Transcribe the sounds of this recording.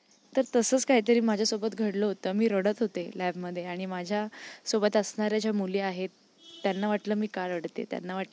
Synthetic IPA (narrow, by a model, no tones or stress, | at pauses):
t̪əɾt̪əsəːt͡skaɦiːt̪əɾiːmad͡ʑʱasobət̪ɡʱəɽləɦot̪əːmiːɾəɽət̪ɦot̪elɛbməd̪ʱːjeaɽ̃imad͡ʑʱjasobət̪əsɳaɾjad͡ʑjamuliaɦet̪ː | janːaʋaʈləːmiːkaɾəɽt̪ḛt̪ja̰nːaʋaʈ